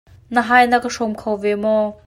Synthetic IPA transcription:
nəɦaːjnɐkəʂɔmkʰowvɛmɔː

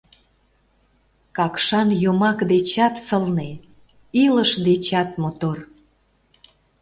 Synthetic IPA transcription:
kɑkʃɑnjomɑkd̪et͡ɕɑt̪səlne | iləʃd̪et͡ɕɑt̪̚mot̪or

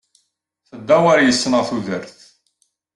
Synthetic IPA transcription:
θəd̪ːæwaɾjəsːənəʁθuðəɾθ

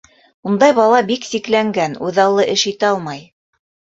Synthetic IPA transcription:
und̪ɑjβɑlˠɑbiksiklæŋɡænʉðɑlˠːɤʔɘʃit̪ɘɑlˠmɑj

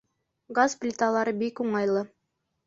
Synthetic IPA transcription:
ɡazplʲɪt̪alˠɑɾɤbikuɴɑjlˠɤ

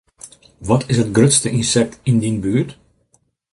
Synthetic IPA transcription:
ʋɔtʰɪsɦətɡrøtstəʔinsɛk̚tɪndinbyːt

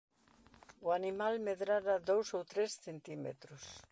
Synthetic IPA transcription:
ʊanimalmeðɾaɾaðowsowt̪ɾesθent̪imḛt̪ɾʊs

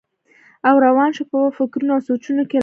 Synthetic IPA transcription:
awɾawɑnʃepəfɪkɾunoawsot͡ʃunoke

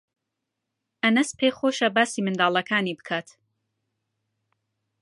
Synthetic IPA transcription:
ʔɐnɐspʰeːχoːʃɐbaːsimɨnd̪aːlˠɐkʰaːniːbɨ̥kʰaːt̪

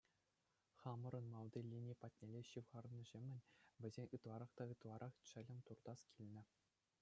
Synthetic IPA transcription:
χɑmɤ̆ɾɤ̆nmɑlˠd̪ʲilʲinʲipɑtʲnʲelʲeɕɯʋʁɑrnɤ̆ʑemʲɘ̆nʲʋʲɘ̆zʲenʲɯt̪lˠɑɾɑχt̪ɑɯt̪lˠɑɾʔɑχt͡ɕɘ̆lʲɘ̆mʲt̪urd̪ɑskʲʰilʲnʲɘ̆

